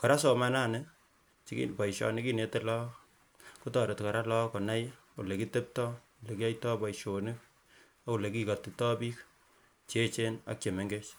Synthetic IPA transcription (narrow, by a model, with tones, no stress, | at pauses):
kɔ˨ɾa˦sɔ˨ma˦na˦˨nɪ˦ | t͡ʃpa˨iʃɔ̰˨nɪ˦ki˦ne˨˦te˦lɔ˦ | ku˦tɔ˨ɾe˨tka˨ɾa˦lɔ˦kɔ˨na˦j | o˨le˨ki˦te˦p̚tɔ˦ | o˨le˨ki˦a˦jtɔ˦pɔ˨iʃonɪ˦k̚ | au˨le˨ki˦ka˨ti˨tɔ˦bi˦k | t͡ʃe˦t͡ʃe˦na̰˦k̚t͡ʃe˨me˨ŋɡe˦t͡ʃ